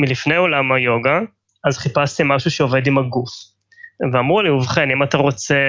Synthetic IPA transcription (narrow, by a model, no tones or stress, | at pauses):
milifne̞jo̞lamajo̞ɡa | azχipast̪imaʃuʃeove̞d̪imaɡuf | veamuʁliuvχenimat̪aʁo̞t͡se̞